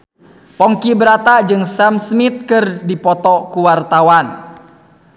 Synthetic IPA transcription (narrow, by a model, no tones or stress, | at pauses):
pɔŋkibəɾat̪ad͡ʒɨŋsamsmit̪̚kɨrdipɔt̪ɔkuwart̪awan